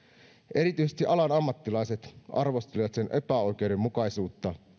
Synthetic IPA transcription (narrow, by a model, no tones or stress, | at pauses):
ʔe̞ɾit̪yjsest̪iʔɑlɑnɑmːɑt̪ːilɑjse̞t̪ɑ̰rʋo̞st̪eliʋɑt̪se̞nʔe̞pæo̞jk̟e̞wde̞mːukɑjsuːt̪ːɑ